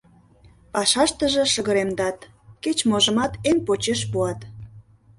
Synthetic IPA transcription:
pɑʃɑʃt̪əʒĕʃəɣə̆ɾemd̪ɑt̪ | ket͡ɕmoʒə̆mɑt̪enpot͡ɕeʃpuɑt̪

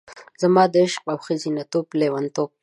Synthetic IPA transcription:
z̥amɑːd̪əɪʃqawxəzinat̪oːblewant̪oːb̚

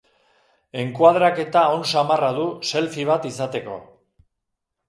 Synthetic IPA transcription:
e̞ŋkwað̞ɾake̞t̪ao̞nsamaraðuse̞lfiβ̞at̪isat̪e̞ko̞̰

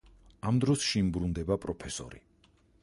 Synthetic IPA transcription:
amd̪ɾɔsʃimbɾund̪ɛbapʼɾɔpʰɛsɔ̰ɾḭ

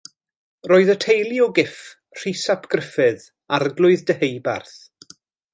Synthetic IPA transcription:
roːɨðətʰejlˠiɔɡɪf | r̥isapʰɡ̥rɪfɨð | arɡlˠʊɨðdəhejba̰rθ

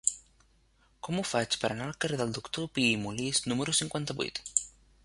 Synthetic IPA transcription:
kɔmufat͡ʃpəɾanalkəɾeðəlˠd̪ukt̪opiːmuliznuməɾusiŋkwant̪aβṵt̪

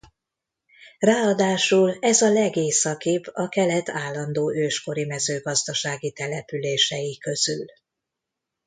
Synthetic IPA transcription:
raːɒd̪aːʃulɛzɒlɛɡeːsɒkibɒkɛlɛt̪ʰaːlːɒnd̪oːʔøːʃko̞ɾimɛzøːɡɒzd̪ɒʃaːɡit̪ɛlɛpyleːʃɛjikø̞z̥y̰l

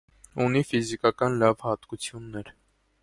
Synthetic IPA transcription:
unifizikɑkɑnlɑvhɑt̪kut͡sʰjunːɛɾ

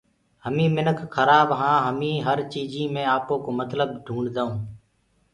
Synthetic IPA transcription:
ɦəmĩːmɪnəkʰxəɾaːbɦãːɦəmĩːɦəɾt͡ʃiːd͡ʒiːmẽːaːpoːkoːmət̪ləb̚ɖʱũːɳɖd̪aːũː

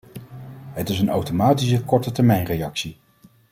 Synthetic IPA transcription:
ɦətɪs̬ənawtomaːtisəkɔɹtətɛɹmɛjnrejɑksi

